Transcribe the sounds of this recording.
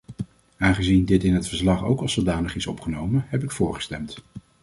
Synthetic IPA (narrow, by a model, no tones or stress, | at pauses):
aːnχəzindɪtɪnɦətfəɹslɑχo̰wkɑlˠsodaːnəχɪsɔ̰pχənowmənɦɛp̬ɪkfʊːɹχə̥stɛmt